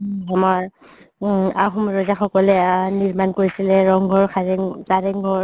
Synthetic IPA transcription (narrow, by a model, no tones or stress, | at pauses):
amaɹ | axumɹɔzaxɔkɔlɛniɹmankoɹisilɛɹɔŋɡʱɔɹxʰaɛŋkaɹɛŋɡʱɔɹ